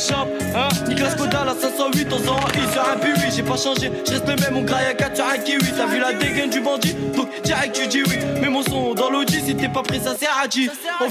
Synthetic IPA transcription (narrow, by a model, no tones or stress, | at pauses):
ʃɑ̃p | ɛ̃niklaskod̪alasɛ̃sɑ̃ɥit̪ɔ̃sɑ̃ʔisɔãpywiʒɛpaʃɑ̃ʒeʒ̥əʁɛst̪ləmɛmɔ̃ɡʁajakat̪sɔʁãkewisavylad̪eɡɛ̃nd̪ybɑ̃d̪id̪ɔ̃kt̪iɛk̚t̪yd͡ʒ̪iwimɛmɔ̃sɔ̃d̪ɑ̃lod͡ʒ̪iset̪ɛpapχesasɛad͡ʒ̪izɔ̃